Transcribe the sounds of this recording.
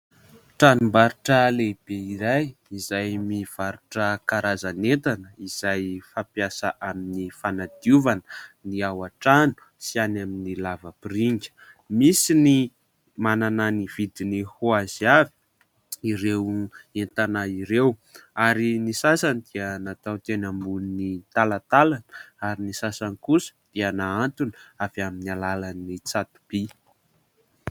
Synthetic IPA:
ʈ͡ʂanumbaɾuʈ͡ʂəleb̥eiɾajizajmiv̥aɾuʈ͡ʂəkaɾazanent̪anəiz̥ajfapjasa̰ʔaminifanad̪̥iuvanəniawaʈ͡ʂanu̥ | sianaminilavəpɾiŋɡʲə̥ | misini | manananivid̪inihuaz̥iavi̥ | iɾewent̪anaiɾewaɾinisasanid̪̥iənat̪awt̪enambunnit̪alat̪alanaɾinisasanikusə̥d̪̥ianaant̪unavaminalalanːit͡sat̪u̥b̥i

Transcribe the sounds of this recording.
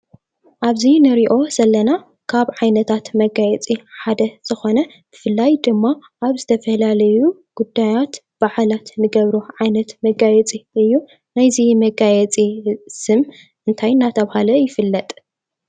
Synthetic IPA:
ʔaβzinɨɾiʔo̞z̥ɐlːɐna | kʰaβʕajnɐt̪ʰat̪mɐɡajɛt͡sʼiħad̪ɐz̥ɨxo̞nɐ | b̥ɨfɨlːajd̪ɨmːaʔaβzɨt̪ʰɐfɐlalɐjuɡ̥ud̪ːajat̪ | b̥aʕalat̪nɨɡɐβɾuʕajnɐt̪mɐɡajɛt͡sʼiɨjːu | najzimɐɡajɛt͡sʼisɨm | ʔɨnt̪ʰajnːat̪ʰɐβhalɐjɪfɨlːɐt̪ʼ

